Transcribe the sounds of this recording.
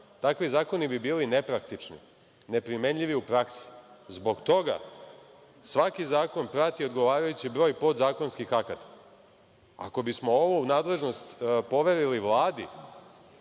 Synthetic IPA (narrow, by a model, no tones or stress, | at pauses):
t̪akʋizaːko̞nibibiːline̞pɾakt̪it͡ʂnḭ | ne̞pɾime̞nʎiʋiupɾaksi̥zbo̞ɡt̪o̞ɡa̰ | sʋakizaːko̞npɾat̪io̞d̪ɡo̞ʋaːɾajut͡ɕibɾo̞ːjpo̞d̪zaːko̞nskixakat̪ḁ | a̰ko̞bismo̞oʋonaːd̪le̞ʒnost̪po̞ʋe̞ɾiliʋlˠaːd̪i